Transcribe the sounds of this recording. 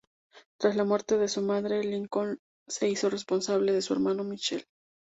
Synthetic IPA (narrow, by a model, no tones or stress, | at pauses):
t̪ɾazlamwe̞ɾt̪e̞ðe̞sumaðɾe̞liŋko̞n | se̞iso̞re̞spo̞nsaβle̞ðe̞sue̞̰ɾmano̞mit͡ʃe̞̰l